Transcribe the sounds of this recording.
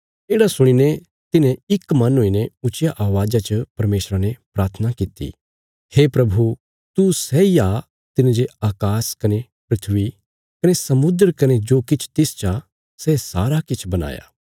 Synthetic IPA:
eːɽasʊɽ̃inɛ | t̪ɪnɛ̃ɪkmɐnɦoinɛʊt͡ʃɪjaʔaːʋaːd͡ʒat͡ʃəpɐɾmeːsɾanɛpɾaːɾt̪ʰənakit̪ḭ | heːpɾɐbʱu | t̪usɛija | t̪ɪnd͡ʒeaːkaːskɐne | pɾɪt̪ʰʋi | kɐnesɐmʊd̪ɾkɐned͡ʒoːkɪt͡ʃʰt̪ɪst͡ʃa | sɛsa̰ːɾakɪt͡ʃʰbɐna̰ːja̰ː

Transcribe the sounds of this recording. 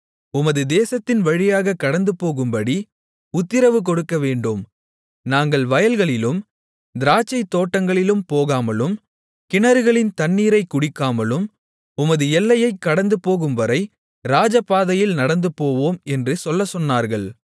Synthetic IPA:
ʊmɐðɯd̪eːsɐt̪ːɪnʋɐɻɪjaːɣɐkːɐɽɐnd̪ɯpoːɣɯmbɐɽi | ʊt̪ːɪɾɐʋɯk̬ɔɽɯkːɐʋeːɳɖɯm | naːŋɡɐɭʋɐjɐlɣɐɭɪlɯm | d̪ɪɾaːt͡ʃːɐɪt̪ːoːʈːɐŋɡɐɭɪlɯmpoːɣaːmɐlɯm | kɪɳɐɾɯɣɐɭɪnt̪ɐnːiːɾɐɪkʊɽɪkːaːmɐlɯm | ʊmɐðɯɛlːɐjɐɪkːɐɽɐnd̪ɯpoːɣɯmʋɐɾɐɪ | ɾaːd͡ʒɐpːaːðɐjɪlnɐɽɐnd̪ɯpːoːʋoːmɛndrɯsɔlːɐsɔnːaːɾɣɐɭ

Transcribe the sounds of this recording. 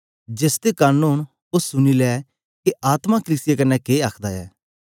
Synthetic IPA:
d͡ʒesd̪ekaːnuːn | ʊsːʊnilɛː | keʔaːt̪makəliːsɪjakɐnːɛkeːaːkʰd̪aɛ̰ː

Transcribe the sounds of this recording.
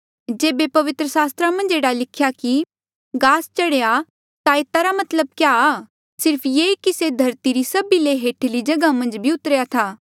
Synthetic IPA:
d͡ʒeːbepɐʋɪt̪ɾəsaːst̪ɾamɐ̃nd͡ʒeːɽalɪkʰjaki | ɡaːst͡ʃɐɽeja | t̪aeːt̪aɾamɐt̪ləb̚kja | sɪɾpʰjeːkised̪ʱɐɾt̪iɾisɐbileɦeːʈʰlid͡ʒɐɡamɐ̃nd͡ʒbʱiʊt̪əɾjat̪ʰaː

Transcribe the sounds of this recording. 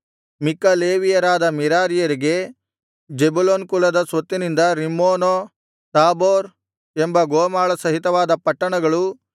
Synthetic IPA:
mikːɐleːʋijɐɾaːd̪ɐmiɾaːɾijɐɾiɡe̞ | d͡ʒebuloːnkulɐd̪ɐsʋɐt̪ːinind̪ɐɾimːoːnoː | t̪aːboːɾ | embɐɡoːmaːɭɐsɐɦit̪ɐʋaːd̪ɐpɐʈːɐɳɐɡɐɭu

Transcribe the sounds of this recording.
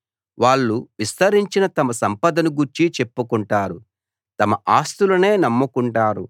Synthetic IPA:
ʋaːɭːuʋist̪ɐɾiɲt͡ʃinɐt̪ɐmɐsɐmpɐd̪ɐnuɡuɾt͡ʃit͡ʃe̞pːukuɳʈaːɾu | t̪ɐmɐʔaːst̪ulɐne̞ːnɐmːukuɳʈaːɾṵ

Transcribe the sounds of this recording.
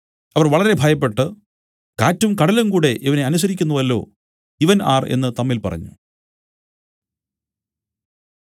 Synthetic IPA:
ɐʋɐrʋɐɭɐɾe̞bʱɐjɐp̬ːe̞ʈːɨ | kaːtːumkɐɽɐlumkuːɽe̞ʔiʋɐne̞ɐnus̬ɐɾikʲːunːuʋɐlːo̞̰ː | iʋɐnaːre̞̰nːɨt̪ɐmːilpɐ̰rɐ̰ɲːṵ

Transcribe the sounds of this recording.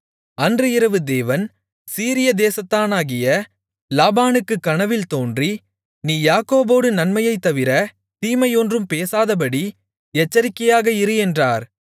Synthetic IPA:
ɐndrɯɪɾɐʋɯd̪eːʋɐn | siːɾɪjɐd̪eːsɐt̪ːaːnaːɣɪjɐ | laːbaːnɯkːɯkːɐnɐʋɪlt̪oːndri | niːjaːkoːboːɽɯnɐnmɐjɐɪt̪ːɐʋɪɾɐ | t̪iːmɐɪjɔndrɯmpeːsaːðɐp̬ɐɽi | ɛt͡ʃːɐɾɪkːɐjaːɣɐɪɾɯjɛndraːɾ

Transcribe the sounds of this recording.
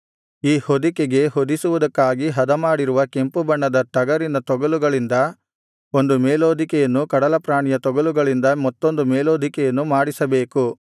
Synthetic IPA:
iːhod̪ikeɡe̞ɦod̪isuʋud̪ɐkːaːɡiɦɐd̪ɐmaːɽiɾuʋɐke̞mpubɐɳːɐd̪ɐʈɐɡɐɾind̪ɐt̪ɔɡɐluɡɐɭind̪ɐ | o̞nd̪umeːloːd̪ʱikɛjɐnːukɐɽɐlɐpɾaːɳijɐt̪ɔɡɐluɡɐɭind̪ɐmɐt̪ːo̞nd̪umeːloːd̪ʱikɛjɐnːumaːɽisɐbe̞ːku

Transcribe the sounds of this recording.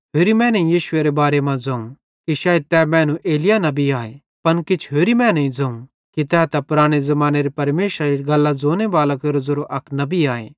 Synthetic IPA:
pʰeːɾimɛ̃ːnɐĩjiːʃʊeɾebaːɾemãd͡zɐːũ | kiʃaːet̪ɛːmɛ̃ːnũʔeːlɪjanɐbiaːe | pɐnkɪt͡ʃʰɦeːɾimɛ̃ːnɐĩd͡zɐũ | kit̪ɛːt̪ɐpʊɾaːɽ̃ezɐmaːneɾipɐɾmeːʃɾaɾiɡɐlːad͡zoːnebaːlakeːɾod͡zɐɾoʔɐkʰnɐbiaːḛː

